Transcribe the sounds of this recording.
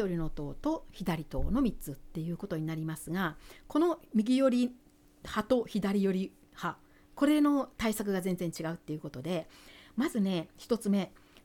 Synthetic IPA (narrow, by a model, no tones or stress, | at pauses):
o̞ɾʲino̞t̪o̞̰ːt̪o̞çid̪aɾʲit̪o̞̰ːno̞mʲit͡sɨt̪ːe̞jɯ̟ːko̞t̪o̞ɲ̟inaɾʲimasɨɡako̞nomʲiɡʲijo̞ɾʲi | hat̪o̞çid̪aɾʲijo̞ɾʲi | ha | ko̞ɾe̞no̞t̪aisak̬ɯ̟ɡazẽ̞nd͡zẽ̞ɲ̟t͡ɕiɡaɯ̟t̪ːe̞jɯ̟ko̞t̪o̞d̪e̞mazɨne̞çi̥t̪o̞t͡sɨme̞